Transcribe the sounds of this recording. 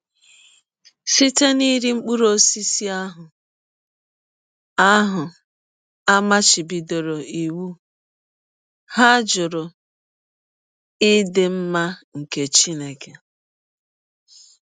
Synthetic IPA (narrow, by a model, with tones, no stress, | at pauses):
si˦te˦ni˦ɾi˦ŋ͡m̩˦k͡pu˦ɾo˦si˦si˦a˦ɦʊ˨ | a˦ɦʊ˨ | a˦ma˦t͡ʃi˨bi˨do˨ɾo˨i˨wu˦ | ha˦d͡ʒʊ˨ɾʊ˨ | ɪ˦dɪ˨m̩˦ma˦ŋ̩˨ke˨t͡ʃi˦ne˨ke˨